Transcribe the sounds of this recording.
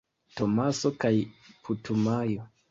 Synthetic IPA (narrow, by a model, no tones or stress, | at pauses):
to̞maso̞kajputʰumajo